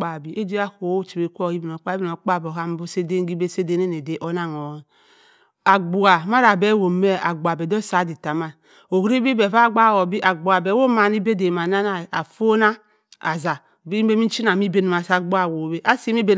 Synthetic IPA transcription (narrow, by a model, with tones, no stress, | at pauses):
a˨bi˨ʔe˦d͡ʒi˦a˦ko˨˦o˦t͡ʃi˨be˨˦kʷo˦˨i˦bi˨n˨o˨k͡pa˦bi˦˨no˨k͡pa˦˨bo˨a˦m˦bo˦se˦de˦ɡi˦be˦se˦de˦ne˦ne˨de˨˦ʔo˦na˦˨ŋo˨˦ | a˨ɡ͡bu˨a˨ma˦ɾa˨be˦wo˨me˦a˨ɡ͡bu˨a˨be˨do˦sa˨˦di˨ta˨ma˦ | o˨hɾi˦bi˦be˨va˦˨ɡ͡ba˦˨wo˨bi˦ʔa˨ɡ͡bu˨a˨be˨wo˦ma˨ni˦be˦de˨ma˨na˦na˨a˨fo˦na˦ | a̰˨za˨ | bi˦be˦mi˦t͡ʃi˦na˨mi˦be˦n˨ma˨sa˨ɡ͡bu˦a˦˨wo˨be˦ʔa˦si˦m˦i˦be˦